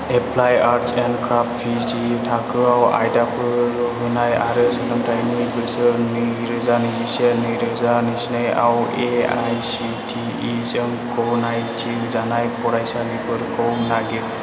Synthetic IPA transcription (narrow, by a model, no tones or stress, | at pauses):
epʰlajaɾsenkɾaftpʰizitʰakʰɯawa̰jtapʰɯɾɦɯnajaɾɯsɯnɯmtʰajnibɯsɯniɾɯzanizisenɯjɾɯzanisnaja̰weajsitʰi | izɯŋkɔnajtʰiŋzanajpɔɾajsalipʰɯɾkʰɯwnaɡe